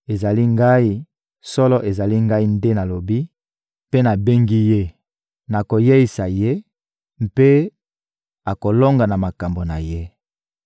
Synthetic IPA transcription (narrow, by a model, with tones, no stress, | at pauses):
e˨za˨li˦ŋɡa˦i˦ | sɔ˦lɔ˦ʔe˨za˨li˦ŋɡa˦i˦nde˦na˨lo˨bi˦ | pe˦na˨be˦ŋɡi˦je˦ | na˨ko˨je˦i˨sa˨je˦ | mpe˦ | a˨ko˨lo˦ŋɡa˨na˨ma˨ka˨mbo˨na˨je˦